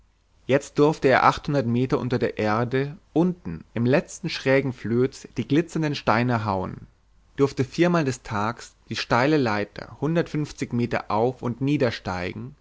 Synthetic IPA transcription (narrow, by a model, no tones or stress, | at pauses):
jɛt͡st̚d̥ʏɐftəeːɐʔa̰χthʊndɐtmeːtɐʔʊntɐdeːɐʔeːɐdəʔʊntn̩ʔɪmlɛt͡stn̩ʃʁ̥ɛːɡŋ̩fløːd̥iːɡlɪt͡sɐndənʃtaɪnəɦaʊən | d̥ʏɐftəfiːɐmaːldɛstʰaːksd̥iːʃtaɪləlaɪtʰɐ̰hʊndɐtfʏnft͡sɪçmeːtɐ̰ʔaʊfʊntniːdɐʃta̰ɪɡŋ̩